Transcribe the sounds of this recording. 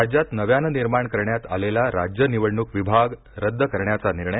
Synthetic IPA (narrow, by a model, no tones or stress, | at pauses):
d͡ʑjat̪nəʋjanəniɾmaɳkəɾɳjat̪a̰lelaɾad͡ʑjəniʋəɽɳukʋibʱaɡ | ɾəd̪ːəkəɾɳjat͡saniɾɳə